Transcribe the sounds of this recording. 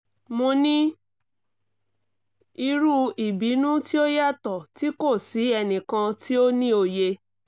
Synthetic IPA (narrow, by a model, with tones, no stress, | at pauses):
mõ˧nĩ˦ | i˧ɾu˦i˨bi˨˦nũ˦ti˦o˦ja˦˨tɔ˨ti˦ko˦˨si˨˦ɛ˧nĩ˨kã˧ti˦o˦nĩ˦o˧je˧